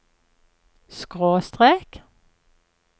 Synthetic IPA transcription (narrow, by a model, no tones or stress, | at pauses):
skʁoːst̪ʁeːk